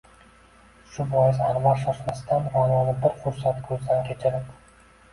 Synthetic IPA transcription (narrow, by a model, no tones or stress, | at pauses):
ʃʊbɒjɪzaɾmɒlʃɒʃmasd̪anvɒnɒnɪbɪɾχʊɾsat̪kʲʰɵzd̪ankʲʰet͡ʃʰɪɾɪp